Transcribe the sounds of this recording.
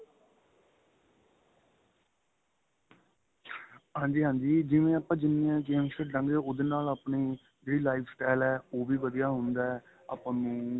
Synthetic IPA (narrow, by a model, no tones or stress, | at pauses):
ɦãːɲd͡ʒiːɦãːɲd͡ʒiːd͡ʒɪʋẽːaːpãːd͡ʒɪnːijãːkeːmʃəɖɾə̃ŋɡeːʊd̪eːnaːlaːpɳiː | d͡ʒeːɽiːlaːipsʈɛːlɛːoːʋiːʋəd̪ijaːɦʊnd̪aːɛ | aːpãːnũː